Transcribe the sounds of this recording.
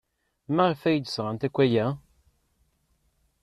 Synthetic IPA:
mæʁfæjəd̪ə̥sʁant̪ækʷːæjæ

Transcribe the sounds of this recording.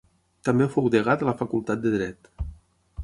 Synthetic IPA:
t̪ambefowðəɣ̞at̪ələfəkulˠt̪at̪̚d̪əðɾɛt̪

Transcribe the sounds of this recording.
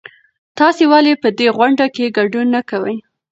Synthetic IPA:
t̪ɑsewalepəd̪eɣwaɳɖakeɡaɖunːakawəj

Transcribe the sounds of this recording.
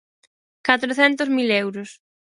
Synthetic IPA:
kat̪ɾoθɛnt̪ʊzmilɛwɾʊs

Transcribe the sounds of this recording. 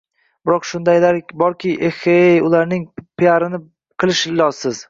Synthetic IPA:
bɪɾɒqʃʊnd̪ajlaɾʲbɒɾkʲɪʔehejʊlaɾnɪŋpʰɪaɾɪnɪ | qʰɨlˠɪʃɪlɒzsɪz̥

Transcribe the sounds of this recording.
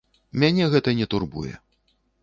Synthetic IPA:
mʲanʲɛɣɛt̪ɐnʲɛt̪urbṵjɛ̰

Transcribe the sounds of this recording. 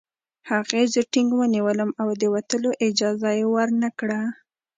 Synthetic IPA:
haɣezəʈɪŋɡwəniwələmawd̪əwat̪əloʔɪd͡ʒɑzajewəɾnəkɽa

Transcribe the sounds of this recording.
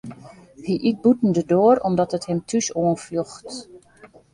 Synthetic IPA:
hiʔit̚butn̩dədoəɾɔmdɔtəthɪmtʰysoənfluxt

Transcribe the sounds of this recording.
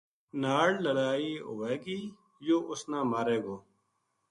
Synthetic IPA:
naːɽləɽaːiːɦʊ̰ʋeːɡiː | joːʔʊsnãːmaːɾeːɡoː

